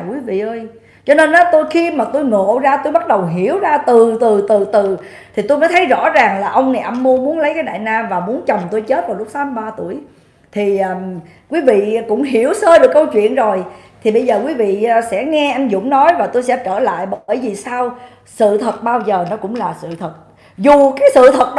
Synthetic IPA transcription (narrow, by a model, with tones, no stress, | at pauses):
kwi˨˦vḭ˧˨ʔəː˧j | t͡ɕɔ˧ne˧nʔɔ˨˦t̪o˧jxi˧maː˨˩t̪o˧jŋo̰˧˨zaː˧t̪o˧jɓa˦˥t̚ɗə˨˩wɦi˧˩˨əwzaː˧t̪ɨ˨˩t̪ɨ˨˩t̪ɨ˨˩t̪ɨ˨˩ | t̪ʰi˨˩t̪o˧jmə˨˦t̪ʰə˨˦jzɔ̰˧˥zaː˨˩ŋlaː˨˩ʔə˧wŋ͡mnɛ˨˩ʔa˧mːo˧mu˨˦ənlə˨˦jkaː˨˦jɗa̰ː˧˨jnaː˧vaː˨˩mu˨˦ənt͡ɕə˨˩wŋ͡mt̪o˧jt͡ɕe˦˥t̚vaː˨˩wlʊ˦˥k͡p̚saː˨˦m˨˩ɓaː˧t̪u˧˩əj | t̪ʰiː˨˩˨ | kwi˨˦vḭ˧˨kʊ̰˧˥ŋ͡mɦi˧˩əwsəː˧ɗɨ˨˩əkːə˧wt͡ɕwḭ˧˨ənzo˨˩jt̪ʰi˨˩ɓə˧jzəː˨˩kwi˨˦vḭ˧˨sɛ̰˧˥ŋɛ˧ʔa˧jŋ̟zʊ̰˧˥ŋ͡mnɔ˨˦jvaː˨˩t̪o˧jsɛ̰˧˥t͡ɕəː˧˩la̰ː˧˨jɓəː˧˩jzi˨˩saː˧w | sɨ̰˧˨t̪ʰə˨˩t̚ɓaː˧wzəː˨˩nɔ˨˦kʊ̰˧˥ŋ͡mlaː˨˩sɨ̰˧˨t̪ʰə˨˩t̚ | zu˨˩kaː˨˦jsɨ̰˧˨t̪ʰə˨˩t̚ɗ